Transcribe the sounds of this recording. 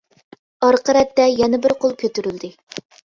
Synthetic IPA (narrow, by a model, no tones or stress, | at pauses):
ɑɾqʰəɾɛt̪ːɛjɛnɪbɪɾqʰolˠkʲʰøt̪yɾyld̪ɪ